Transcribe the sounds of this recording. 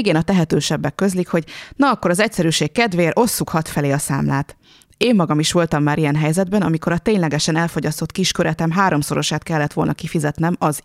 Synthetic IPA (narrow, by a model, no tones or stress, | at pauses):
ɡeːnɒt̪ɛɦɛt̪øːʃɛbːɛkːø̞zlikho̞ɟnɒɒkːo̞ɾɒzɛcsɛɾyːʃeːkkɛd̪ʋeːɾʔo̞sːukhɒt̪fɛleːɒsa̰ːmlaːt̪ | eːmːɒɡɒmiʃʋo̞lt̪ɒmːaːɾijɛnɦɛjzɛd̪̚bɛnɒmiko̞ɾɒt̪eːɲlɛɡɛʃɛnɛlfo̞ɟɒst̪o̞t̪kiʃkøɾɛt̪ɛmɦaːɾo̞mso̞ɾo̞̰ʃaːt̪kɛlːɛt̪ʋo̞lnɒkifizɛt̪nɛmɒz